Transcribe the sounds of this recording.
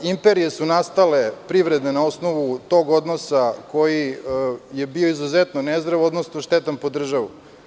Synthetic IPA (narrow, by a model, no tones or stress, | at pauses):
impe̞ɾijesunast̪alepɾiʋɾed̪nenao̞snoʋut̪o̞ɡo̞d̪no̞sako̞ji | je̞bioizuzet̪nonezɾaʋo̞d̪nosnoʃt̪et̪anpo̞d̪r̩ʒaʋṵ